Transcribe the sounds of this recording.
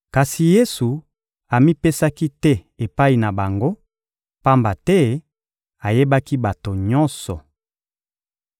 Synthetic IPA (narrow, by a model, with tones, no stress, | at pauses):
ka˨si˨je˦su˨ | a˨mi˦pe˦sa˦ki˦tɛ˦ | e˨pa˦i˨na˨ba˨ŋɡo˦ | pa˦mba˨tɛ˦ | a˨je˦ba˦ki˦ba˨to˨ɲɔ˦nsɔ˨